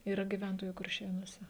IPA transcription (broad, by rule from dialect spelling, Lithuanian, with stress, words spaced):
iːˈrɐ ɡʲiːˈʋʲɛntoːjuː kʊrʲˈʃʲeːnuɔsʲɛ